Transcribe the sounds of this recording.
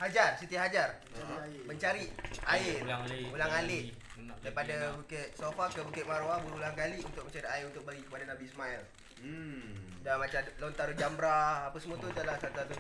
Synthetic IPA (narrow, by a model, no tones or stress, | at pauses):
had͡ʒarsət̪iaɦad͡ʒar | məɲt͡ʃaɾiaɪrulaŋalɪʔ | daɾipadabukɛt̪̚sofakəbukɛʔ̪̚maɾoabuɾulaŋkaliunt̪ʊk̚məɲt͡ʃaɾiaɪrunt̪ʊk̚bəɡikəpadanãbiismaɛl | damat͡ʃalont̪aɾud͡ʒambɾaapəsəmũat̪uit̪alahsat̪at̪u